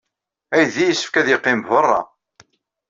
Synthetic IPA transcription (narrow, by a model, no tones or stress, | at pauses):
æjðijəsːə̥fkæðiqːɪmvərˤːɑ̰